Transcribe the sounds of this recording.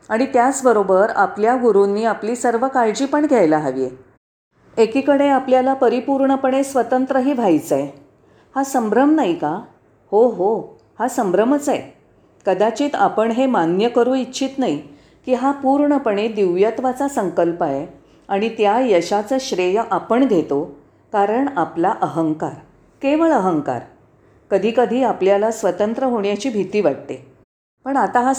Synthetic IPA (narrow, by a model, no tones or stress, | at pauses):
aɽ̃it̪jat͡sbəɾobəɾapljaɡuɾunːiːapliːsəɾʋəkajd͡ʑiːpəɳɡʱɛjlaɦaʋie | ekikəɽeapljalapəɾipuɾɳəpəɳ̃esʋət̪ənt̪ɾəɦiːʋʱajt͡saje | hasəmbɾəmnaɦika | hoɦo | hasəmbɾəmət͡sae | kəd̪at͡ɕiːt̪apəɳɦemanjəkəɾuːitːɕʰiːt̪nai | kiːɦapuɾɳəpəɳ̃ed̪iʋjat̪ʋat͡sasəŋkəlpae | aɽ̃it̪jajəɕat͡səɕɾejəʔapəɳɡ̪ʱet̪o | kaɾəɳaplaʔəɦəŋka̰ɾ | keʋəɭəɦəŋka̰ɾ | kəd̪ʱiːkəd̪ʱiːapljalasʋət̪ənt̪ɾəɦoɳjat͡ɕiːbʱit̪iːʋaʈ̚t̪e | pəɳat̪aɦa